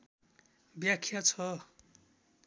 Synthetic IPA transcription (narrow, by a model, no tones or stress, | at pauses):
bjakʰːjat͡sʰʌ